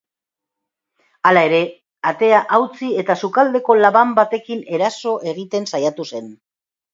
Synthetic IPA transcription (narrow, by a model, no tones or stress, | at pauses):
alae̞ɾe̞ | at̪e̞aʔawt͡sie̞t̪asukald̪e̞ko̞laβambat̪e̞kine̞ɾaso̞ʔe̞ɣ̞it̪e̞nsajat̪use̞n